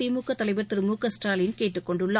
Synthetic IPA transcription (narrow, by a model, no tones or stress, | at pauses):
ɪɾmuːkːɐt̪ːɐlɐɪʋɐɾt̪ɪɾɯmuːkːɐsʈaːlɪnkeːʈːɯkːɔɳɖʊɭːɐ